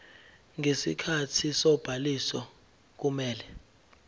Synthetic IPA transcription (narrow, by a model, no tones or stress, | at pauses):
ŋesḭkʰatʰisɔb̥ʱalisɔ | k̬umɛːlɛ